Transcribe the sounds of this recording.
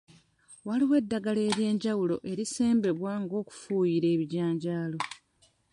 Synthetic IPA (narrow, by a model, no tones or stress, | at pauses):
waliwe̞dːaɡale̞ːɾje̞ːɲɟawulo̞̰ʔe̞ɾise̞ːmbe̞βwaŋɡo̞ːku̥fuːjiɾe̞ːβiɟaːɲɟaːlo̞